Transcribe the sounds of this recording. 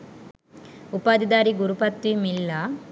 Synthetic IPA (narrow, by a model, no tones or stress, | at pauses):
upaːd̪id̪aːɾiɡuɾupɐt̪ʋimilːa